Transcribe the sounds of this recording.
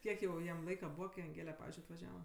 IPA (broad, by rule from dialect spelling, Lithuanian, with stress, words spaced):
ˈkʲiɛk jɛʊ ˈjɛm ˈlˠɐɪkɐ ˈbuːʋɐ kɐɪ ɐŋʲˈɡʲeːlʲɛ ˈpɑːʋʲɪzʲd͡ʒʲʊɪ ɐtʋɐˈʒʲæːʋɐ